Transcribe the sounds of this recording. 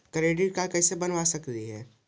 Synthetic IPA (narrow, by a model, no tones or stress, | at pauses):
kɐɾeːɖiɾkakɛːsebɐnʋasɐkt̪iɦɛː